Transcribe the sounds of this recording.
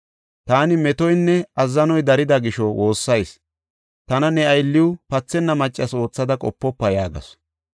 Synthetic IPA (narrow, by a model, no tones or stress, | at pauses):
t̪aːnɪmɛt̪ɔjnːɛɐzːɐnɔjd̪ɐɾɪd̪ɐɡɪʃɔwʔo̞ːsːɐjs | t̪ɐnɐnɛɐjlːɪwʊpɐt͡sːɛnːɐmɐt͡ʃʼːɐso̞ːt͡sːɐd̪ɐkʼɔ̰pːɔpːɐjaːɡɐ̰s